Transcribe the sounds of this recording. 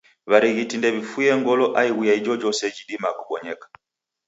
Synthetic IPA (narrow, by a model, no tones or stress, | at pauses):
βaɾiɣitindɛβifujɛŋɡɔlɔʔaiɣwijaid͡ʒɔd͡ʒɔsɛd͡ʒiɗimakuɓɔɲɛkḁ